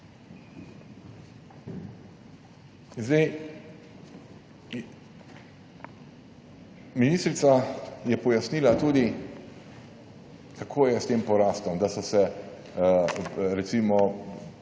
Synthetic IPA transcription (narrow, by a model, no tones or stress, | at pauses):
zd̪ɛj | miniːst̪ɾit̪sajɛpɔjasniːlat̪uːd̪i | kʰakʰoːjɛst̪eːmpɔɾaːst̪ɔmd̪asɔsɛ | ɾɛt̪siːmɔ